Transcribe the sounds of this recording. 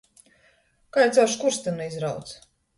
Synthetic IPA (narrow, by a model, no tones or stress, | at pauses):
kaːjɛt̪sawʃkuɾst̪ɛnɛizɾawt̪s